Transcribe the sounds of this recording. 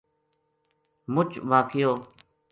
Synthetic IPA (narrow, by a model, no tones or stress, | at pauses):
mʊt͡ʃʋaːkʰɪjoː